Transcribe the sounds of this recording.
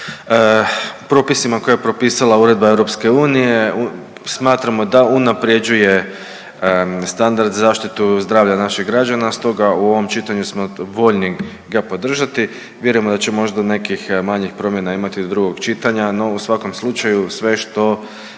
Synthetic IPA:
pɾo̞ːpisimako̞jajepɾo̞piːsalauɾe̞d̪̚baeʋɾo̞pske̞uːnije̞ | smaːt̪ɾamo̞d̪aunapɾje̞d͡ʒuje̞ | st̪and̪aɾd̪zaːʃt̪it̪uzd̪ɾaːʋʎanaʃiɣɡɾad͡ʒanast̪o̞ɡauo̞ʋo̞mt͡ʃit̪aɲusmo̞ʋo̞ʎni | ɡapo̞d̪r̩ʒat̪i | ʋjeɾujemod̪at͡ɕemo̞ʒd̪ane̞kixmaɲixpɾo̞mje̞naimat̪id̪od̪ɾuɡo̞ɡt͡ʃit̪aɲano̞usʋako̞mslut͡ʃajusʋe̞ʃt̪o̞

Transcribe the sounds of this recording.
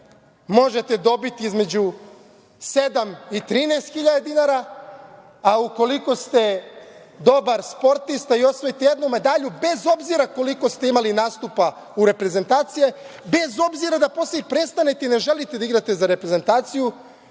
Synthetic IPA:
mo̞ʒe̞t̪e̞d̪o̞bit̪iizme̞d͡ʑu | se̞d̪amit̪ɾiːnejst̪xiʎad̪ad̪inaɾa | auko̞liko̞st̪e̞ | d̪o̞baɾspo̞ɾt̪ist̪aio̞sʋojit̪eje̞d̪nomed̪aʎube̞zo̞bziɾako̞liko̞st̪e̞imalinaːst̪upa | uɾe̞pɾe̞ze̞nt̪aːt̪sije̞be̞zo̞bziɾad̪aposleipɾe̞st̪anet̪eine̞ʒe̞lit̪e̞d̪aiɡɾat̪e̞zaɾe̞pɾeze̞nt̪aːt̪siju

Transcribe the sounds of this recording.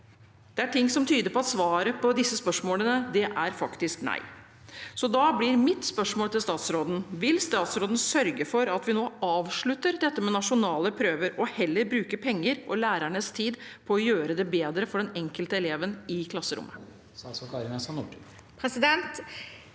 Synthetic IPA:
d̪̥ɛæʈʰɪŋːsɔmt̪ʰyːd̪əɾpɔɑt̪sʋɑːɾəpʰɔd̪ɪsːəspœʂmoːlənəd̪ɛʔæɾfɑkt̪ɪsknæ̰ɪ | sɔd̪ɑːblɪɾmɪt̪spœʂmoːlt̪ɪlst̪ɑːt̪sɾoːd̪n̩ʋɪlst̪ɑːt̪sɾoːd̪n̩sœɾɡəfɔɾɑt̪ʋɪnoːɑːʋʂɭʉt̪ːəɾd̪ɛt̪ːəmɛnɑʂʊnɑːləpʰɾøːʋəɾɔhɛlːəɾbɾʉːkəpʰɛŋːəɾʔɔlæːɾæɳəst̪ʰiːd̪pʰɔːjøːɾəd̪ɛbeːd̪ɾəfɔɖɛnɛŋkəlt̪əɛleːʋənɪkʰlɑsːəɾʊ̰mːə | ɑsɔkɑɾəmɛsɑnṵʈ | pʰɾɛsɪd̪ɛnt̪

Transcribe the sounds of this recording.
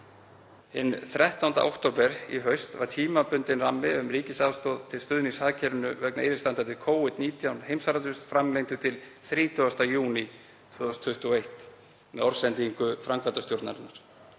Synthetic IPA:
ɪnθɾɛht̪awnt̪a̰ʔa̰wht̪owpɛɾḭɦœɥst̪va̰ɾ̥t̪ʰiːmapʏnt̪ɪnramːɪʏmɾiːcɪsawst̪ɔːðt̪ʰɪlst̪ʏðniŋsaːðcʰɛɾʏnʏvœknaeɾɪst̪ant̪at̪ʰɪlkʰoːwɪt̪niːt̪ʰjawnhejmsaɾat̪ʏsfɾamlejŋt̪ʏt̪ʰɪlθɾiːt̪ʰʏast̪ajuːni | t̪ʰœðɔst̪ʰːʏht̪uejht̪ | mɛðɔɾ̥sɛnt̪iŋkʏfɾamkʰat̪ast̪jowɾt̪na̰ɾɪnːaɾ̥

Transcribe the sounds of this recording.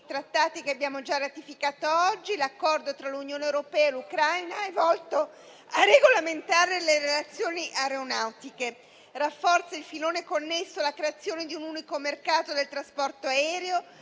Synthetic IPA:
it̪ɾat̪ːaːt̪ikeabjaːmod͡ʒarːat̪ifikaːt̪oɔd͡ʒːilakːɔrd̪ot̪ɾalunjoːnewɾopɛːaelukɾajnaɛvɔlt̪o | arːeɡolament̪aːɾeleɾelat̪sːjoːniʔaɾeonawt̪ike | rafːɔrt̪sailfiloːnekonːesːoalakɾeat̪sːjoːned̪iunuːnikomerkaːt̪od̪elt̪ɾaspɔrt̪oaɛːɾeo

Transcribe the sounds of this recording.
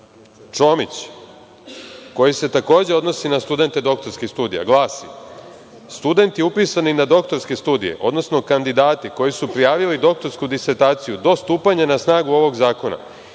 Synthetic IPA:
t͡ʃo̞mit͡ɕ | ko̞jise̞t̪ako̞ːd͡ʑe̞o̞d̪no̞sinast̪ud̪e̞nt̪e̞d̪o̞k̚t̪o̞ɾskixst̪uːd̪ḭja̰ɡlˠaːsḭ | st̪ud̪e̞nt̪jeupiːsaninad̪o̞kt̪o̞ɾskest̪uːd̪ije̞̰ʔo̞̰d̪no̞sno̞kand̪id̪aːt̪iko̞jisupɾijaːʋilid̪o̞k̚t̪o̞ɾskud̪iseɾt̪aːt̪sijud̪o̞st̪uːpaɲanasnaːɡuo̞ʋo̞ɡzaːko̞na̰

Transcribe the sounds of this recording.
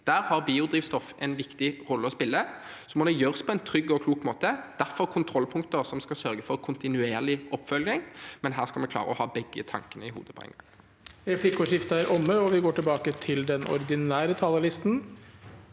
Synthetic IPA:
d̪̥æːʁhɑʁbiːʊd̪ʁiːʋst̪ɔfʔɛ̰nʋɪkt̪ɪʁɔlːəɔspɪlːəsɔmɔd̪ɛjøːɾəspʰɔɛnt̪ʰɾʏɡːɔkʰluːkmoːt̪əd̪̥æɾfɔɾkʰʊnt̪ʰɾɔlːpʰʊŋkt̪əɾsɔmskɑsœɾɡəfɔɾkʰʊnt̪ɪnʉeːʁlɪʔɔpːfœlɡɪŋmɛnɦæːʁskɑlmɛnkʰlɑ̰ːʁəɔ̰hɑ̰ːbɛɡːət̪ʰɑ̰ŋkənəɪhṵːd̪əpʰɔ̰ɛ̰ŋɡɑ̰ŋ | ɾɛflɪkʊʃɪft̪ɑɾʔɔmːəɔʋɪɡoːʈɪlbɑːkət̪ʰɪld̪ɛnɔ̰ɾɪɡ̪ɪnæːɾət̪ʰɑləlɪst̪n̩

